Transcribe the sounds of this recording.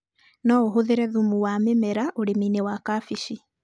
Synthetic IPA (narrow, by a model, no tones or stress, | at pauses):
nɔoɦoðeɾɛðumuwamemɛɾaʔoɾeminewakafiʃi